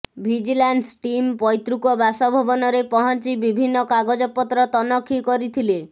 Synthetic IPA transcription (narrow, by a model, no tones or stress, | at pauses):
bʱid͡ʒilansʈimpɔjt̪ɾukɔbasɔbʱɔbɔnɔɾepɔɦɔnt͡ʃibibʱinːɔkaɡod͡ʒɔpɔt̪ɾɔt̪ɔnɔkʰːikɔɾit̪ʰile